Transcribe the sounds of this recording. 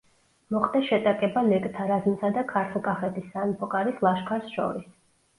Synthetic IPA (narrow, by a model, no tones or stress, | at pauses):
mɔχt̪ɛʃɛt̪ʼakʼɛbalɛkʼt̪ʰaɾaznisad̪akʰaɾt̪ʰulˠkʼaχɛt̪ʰisːanpʰɔkʼaɾislˠaʃkʰaɾsʃɔ̰ɾis